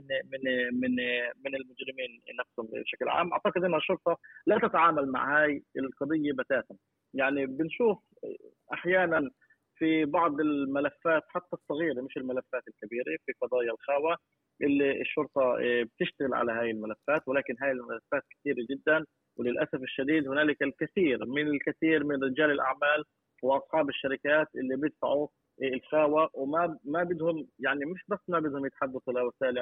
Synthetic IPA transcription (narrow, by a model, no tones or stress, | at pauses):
ɪmɪmɪnmɪnɪlmʊd͡ʒɾɪmiːnːafshʊmbʃaklʕa̰ːmʔa̰ʕt̪ɑqɨd̪ʔɪnːhaʃːʊɾt̪ˤɑlat̪at̪aʕaːmalma̰ʕhaːjɪlqɑd̪ˤɨjːabat̪aːt̪a | jaʕnibɪnʃuːf | ʔaħjaːnan | fibɑʕd̪ˤɪlmalafːaːt̪ħat̪ːasˤːɑɣiːɾemɪʃɪlmalafːaːt̪ɪlkabiːɾefiqɑd̪ˤɑːjalxaːwa | ʔɪlːiɪ̰ʃːʊɾt̪ˤɑb̚t̪ɪʃt̪aɣɪlʕa̰laɦaːjɪlmalafːaːt̪wɪlaːkɪnɦaːjɪlmalafːaːt̪̚kɪ̥t̪iːɾad͡ʒɪd̪ːan | wlɪlʔasafɪʃːad̪iːd̪hʊnaːlɪkɪlkaθiːɾmɪnɪlkaθiːɾmɪnɾɪd͡ʒaːlɪlʔa̰ʕmaːl | wʔɑsˤħɑːbɪʃːaɾɪkaːt̪ʔɪlːibjɪt̪faʕu | ɪlxaːwawmaːabɪd̪hʊmjaʕnimɪʃbasːmabɪd̪hʊmjɪt̪ħad̪ːaθʔɪlawasaːʔlɪ